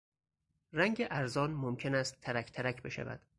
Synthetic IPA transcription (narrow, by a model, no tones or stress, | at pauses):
ræŋɟeʔæɾzɒːnmomcʰe̞næst̪ʰːæɾæcʰt̪ʰæɾæcʰbe̞ʃæ̰væ̰d̪̥